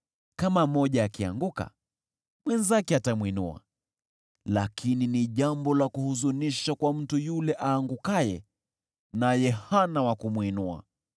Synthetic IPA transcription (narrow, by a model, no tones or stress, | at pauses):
kamamɔʄaːkia̰ŋɡuka̰ | mwɛnzakɛatamwinṵa̰ | lakʰininiʄambɔlakuhuzuniʃakwam̩tujulɛʔaːŋɡukajɛ | najɛhanawakumwinua̰